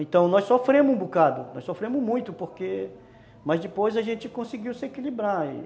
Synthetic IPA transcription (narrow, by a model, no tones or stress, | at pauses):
ẽt̪ɐ̃w̃nɔjsofɾẽmʊzũbukad̪ʊnɔ̰jsofɾẽmʊzmũj̃t̪ʊpoɾke | mɐzd͡ʒɪpojzɐʒẽt͡ʃɪkõsiɡiwsɪekilibɾaḭ